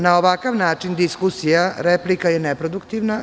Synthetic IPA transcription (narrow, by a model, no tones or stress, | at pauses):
nao̞ʋakaʋnaːt͡ʂind̪iskusijaɾeplikajenepɾod̪ukt̪iʋna